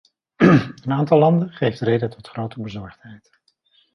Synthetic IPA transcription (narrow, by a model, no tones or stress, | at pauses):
ənaːntɑlˠɑndənχejftrejdətɔtχrowtəbəzɔɹχtɦɛjt